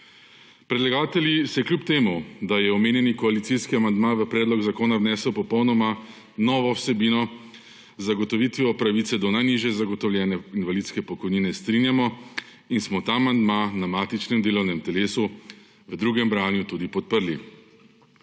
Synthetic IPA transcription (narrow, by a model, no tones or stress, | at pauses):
pɾɛd̪laɡaːt̪ɛljisɛjɛkljupt̪eːmud̪ajɛɔmeːnjɛnikɔalit̪siskiamand̪maʋəpɾɛːd̪lɔɡzakoːnawnɛːsəwpɔpɔwnɔma | nɔːʋɔwsɛbinɔ | zaɡɔt̪ɔʋiːt̪ʋiɔpɾaʋiːt̪sɛd̪ɔnajniʒjɛzaɡɔt̪ɔwljɛːnɛinʋaliːt̪skɛpɔkɔjniːnɛst̪ɾinjamɔ | insmɔt̪aːmand̪manamaːt̪it͡ʃnɛmd̪eːlɔwnɛmt̪ɛleːsu | ʋəd̪ɾuːɡɛmbɾaːnjut̪ud̪ipɔt̪̚pəɾli